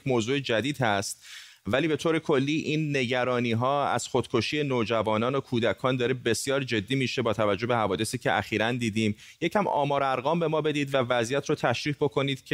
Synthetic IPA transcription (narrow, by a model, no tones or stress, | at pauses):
moːzuːed͡ʒæd̪iːd̪hæst̪̚ | væliːbe̞t̪ʰoːɾe̞kʰo̞lːiːʔiːnːe̞ɟæɾɒːniːɦɒːæ̰z̥χo̞d̪̥kʰo̞ʃiːe̞noːd͡ʒævɒːnɒːnokʰuːd̪ækʰɒːnd̪ɒːɾebe̞sjɒːɾd͡ʒe̞d̪ːiːmiːʃe̞bɒːt̪ʰævæd͡ʒobe̞hævɒːd̪e̞siːcʰeʔæ̰xiːɾænd̪iːd̪iːm | jecʰæmɒ̰ːmɒːɾæɾɣɒːmbe̞mɒːbe̞d̪iːd̪vævæzijæt̪ʰɾoːt̪ʰæʃɾiːhbo̞kʰo̞niːd̪̥cʰe